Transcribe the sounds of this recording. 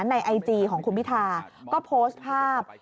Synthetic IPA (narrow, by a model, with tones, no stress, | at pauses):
nːa˧jʔa˧jt͡ɕiː˧kʰɔː˩˦ŋkʰu˧npʰi˦˥t̪ʰaː˧kɔː˥˩pʰoː˦˥st̪̚pʰaː˥˩p̚